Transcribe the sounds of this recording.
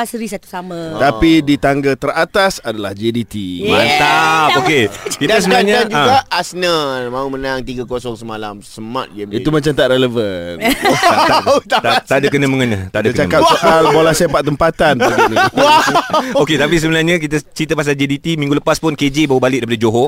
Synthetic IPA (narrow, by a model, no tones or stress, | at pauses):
asɾisat̪u̥samə̃t̪apidit̪aŋɡat̪əɾat̪asadalahd͡ʒedit̪imasapokekitdaəsəbənaɲad͡ʒũɡaʔasnəmãumənaŋt̪iɡakosɔŋsəmalamsəmã̰t̪̚ɡɛmit̪umat͡ʃamt̪aʔɾeləvən | t̪at̪at̪adakənəməŋənət̪aʔdakt͡ʃakatsoʔalbolahsepat̪t̪ːəmpat̪anpnwaoket̪ap̬is̬əbənahɲə̃k̬it̪ət͡ʃɾit̪əpas̬ald͡ʒedit̪imĩŋɡuləpaspʊnked͡ʒebawəbalɪʔ̚daip̬adad͡ʒoɦo